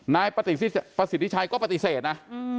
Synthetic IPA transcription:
naː˧jpa˧t̪i˨˩i˥pa˧˩si˨˦t̪ʰi˦˥˩t͡ɕʰa˧jkɔː˥˩pɾa˧t̪i˧˩seː˨˩t̪̚na˦˥

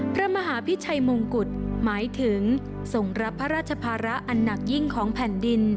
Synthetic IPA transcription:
pʰɾa˦˥ma˧ɦaː˩˦pʰi˦˥t͡ɕʰa˧jmo˧ŋku˨˩t̪̚maː˩˦jt̪ʰɯ˩˦ŋ | so˨˩ŋɾa˦˥pʰːa˦˥ɾaː˥˩t̪̚t͡ɕʰa˧pʰaː˧ɾa˦˥ʔa˧nːa˨˩k̚ji˥˩ŋkʰɔː˩˦ŋpʰɛ˨˩ndi˧n

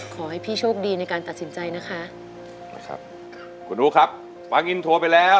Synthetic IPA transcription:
kʰɔː˩˦ha˥˩jpʰiː˥˩t͡ɕʰoː˥˩k̚diː˧na˧jkaː˧nt̪a˨˩t̪̚si˩˦nt͡ɕa˧jna˦˥kʰa˦˥ʔ | kʰa̰˦˥p̚ | kʰu˧nduː˦˥kʰa˦˥p̚ | fa˧˥ŋːi˧nt̪ʰu˧ɐpa˧jlɛː˦˥w

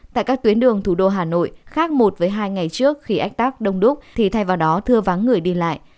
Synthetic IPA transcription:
t̪a̰ː˧˨jkaː˦˥k̚t̪wi˨˦ənɗɨ˨˩əŋt̪ʰu˧˩ɗo˧ɦaː˨˩no̰˧˨jxaː˦˥k̚mo˨˩t̚vəː˨˦jɦaː˧jŋa˨˩jt͡ɕɨ˦˥ək̚xi˧ʔa˦˥jk̚t̪aː˦˥k̚ɗə˧wŋ͡mɗu˦˥k͡p̚t̪ʰi˨˩t̪ʰa˧jvaː˨˩wɗɔ˨˦t̪ʰɨ˧əva˨˦nŋɨ˨˩əjɗi˧la̰ː˧˨j

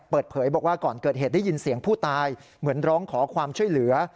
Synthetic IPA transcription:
pɤː˨˩t̪̚pʰɤː˩˦jbɔː˨˩k̚waː˥˩kɔː˨˩nkɤː˨˩t̪̚ɦeː˨˩t̪̚da˥˩ji˧nsi˩˦əŋpʰuː˥˩t̪aː˧j | mɯ˩˦ənɾɔː˦˥ŋkʰɔː˩˦kʰwaː˧mt͡ɕʰu˥˩əjlɯ˩˦ɐ

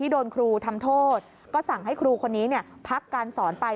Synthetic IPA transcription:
iː˥˩doː˧nkʰɾuː˧t̪ʰa˧mt̪ʰoː˥˩t̪̚ | kɔː˥˩sa˨˩ŋɦa˥˩jkʰɾuː˧kʰo˧nːiː˦˥ni˥˩ɐpʰa˦˥kːaː˧nsɔː˩˦npa˧j

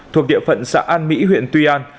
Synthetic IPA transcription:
t̪ʰu˨˩ək̚ɗḭ˧˨əfə̰˧˨nsa̰ː˧˥ʔaː˧nmḭ˧˥ɦwḭ˧˨ənt̪wi˧ʔaː˧n

